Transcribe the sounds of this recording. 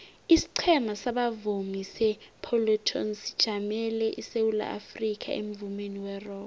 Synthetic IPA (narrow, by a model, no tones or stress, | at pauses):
isi̥ǀʰɛmasaɓavumisɛpʰɔlɔtʰɔ̰nsi̥d̥ʒ̥ʱamɛlɛʔisewula̰ʔa̰frikʰʼa̰ʔḛm̩vumeniwɛrɔː